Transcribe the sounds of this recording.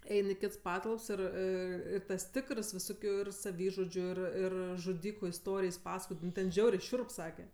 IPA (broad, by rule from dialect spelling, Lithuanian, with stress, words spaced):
ˈɛɪn ɪ ˈkʲɪts ˈpɑːtɐlˠps ɪr ɪr ɪr tɐs ˈtʲɪkərs ʋʲɪˈsoːkʲʊ ɪr sɐˈʋʲiːʒʊd͡ʒʲʊ ɪr ˈɪr ʒʊˈdʲiːkʊ ɪsˈtoːrʲɪjs ˈpɑːsɐkoːj ˈnʊ tʲɛn ˈʒʲɛʊrʲɛɪ ˈʃʲʊrp ˈsɑːkʲɛ